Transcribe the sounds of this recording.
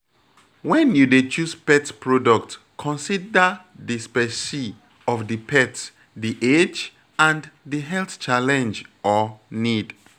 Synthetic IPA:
wɛ̃njudet͡ʃuspɛtpʰɹɔdɔk̚t | kʰɔ̃nsidə | dispɛsi | ɔfdipʰɛts | diʔed͡ʒ | ãndiɦɛlθt͡ʃalɛ̃nd͡ʒɔnid

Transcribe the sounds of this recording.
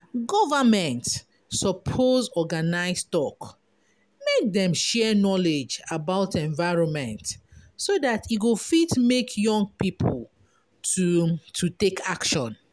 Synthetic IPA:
ɡɔvəmɛ̃nt | sɔpʰozɔɡanaɪstɔk | mek̚dɛ̃mʃɛnɔled͡ʒabaʊtɛ̃ɱvaɪɹɔ̃nmɛ̃ntsodatʰiɡofitmekʰjɔ̃ŋɡ̚pipʰɔl | tʰutʰutekʰakʃɔ̃n

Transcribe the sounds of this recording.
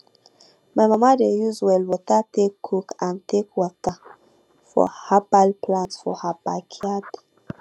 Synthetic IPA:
majmamadejuzwɛlwɔtatekʰːukãntekwɔta | fɔ̰hapalplãntsfɔ̰hapakʰiad

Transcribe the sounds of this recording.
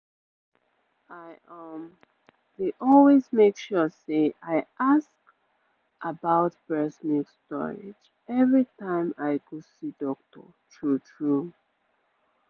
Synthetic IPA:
aɪʌm | deʔɔlwezmekʃɔseʔaɪʔask | ʔabaʊtb̥ɹɛsmikstɔ̰ɹɪ̰d͡ʒ | ɛvɹitãɪ̃maɪɡɔsidɔk̚tɔ̰ | tʰɹutʰɹu

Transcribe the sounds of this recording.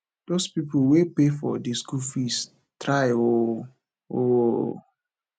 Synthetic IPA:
d̥ospipowepefɔdiskufis | tɾaɪo | o

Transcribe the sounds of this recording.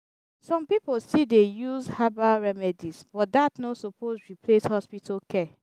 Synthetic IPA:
sɔ̃mpipolstidejuzhabaɹɛmɛdizb̥ɔt̚datnosɔpʰosɹipʰleshɔspitʰalkʰɛ

